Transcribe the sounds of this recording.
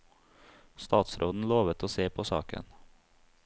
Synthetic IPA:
st̪ɑːt̪sɾʔoːd̪n̩loːʋət̪ʰoːseːpʰoːsɑ̰ːkə̰n

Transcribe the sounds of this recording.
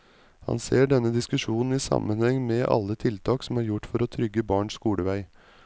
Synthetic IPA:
hɑ̰nseːɖɛnəd̪ɪskʉʃuːnn̩iːsɑ̰mənhɛŋmeːʔɑ̰lːət̪ʰɪlt̪ʰɑːksmæːɾjʊʈfɔɾoːt̪ʰɾʏɡəbɑːɳʂkuːləʋæɪ

